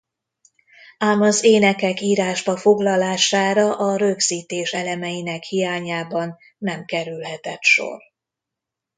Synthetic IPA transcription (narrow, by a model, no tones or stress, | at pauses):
aːmɒzeːnɛkɛkiːɾaːʒbɒfo̞ɡlɒlaːʃaːɾɒʔɒɾøɡz̥iːt̪eːʃɛlɛmɛjinɛkhijaːɲaːbɒnː | ɛmkɛɾylɦɛt̪ɛt̪ʃo̞̰r